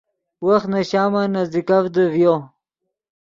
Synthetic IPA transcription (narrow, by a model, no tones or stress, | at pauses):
waxt̪naɕaːmanazd̪ikafd̪əvjo